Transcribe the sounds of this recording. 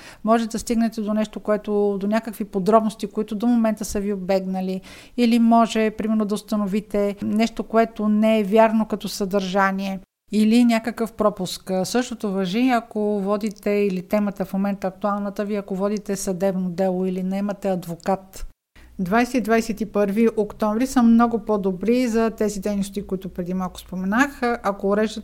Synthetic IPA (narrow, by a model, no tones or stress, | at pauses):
mɔʒɛt̪ɛd̪ɐst̪iɡnɛt̪ɛd̪onɛʃt̪okoɛt̪od̪onʲakəkvipod̪ɾɔbnost̪ikoit̪ʊd̪omomɛnt̪əsəviobɛɡnəli | ilimɔʒɛpɾimɛɾnod̪ɐʊst̪ɐnovit̪ɛnɛʃt̪okoɛt̪onɛɛvʲjaɾnokɐt̪ɔsɐd̪ɐɾʒaniɛ | ilinʲakəkəfpɾɔpʊsksɤʃt̪ot̪ovɐʒiɐkovɔd̪it̪ɛilit̪ɛmət̪əfmomɛnt̪əːɐk̚t̪ualˠnət̪əviɐkovɔd̪it̪ɛsɐd̪ɛbnod̪ɛlˠoilinɛɛmɐt̪ɛɐd̪vokat̪ | d̪vajsɛt̪id̪vajsɛt̪ipɤɾviʔokt̪ɔ̃ɱvɾisəmnɔɡʊpod̪obɾizɐt̪ɛzid̪ɛjnost̪ikoit̪ʊpɾɛd̪imalˠkʊ̥spomɛnaxʔɐkoːɾɛʒd̪ə